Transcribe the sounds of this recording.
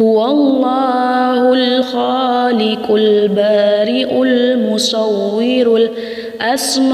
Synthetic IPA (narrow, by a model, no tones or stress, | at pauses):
hʊwalˤːɑːhʊlxaːlɪkʊlbaːɾɪʔʊlmʊsˤɑwːɪɾʊl | ʔasm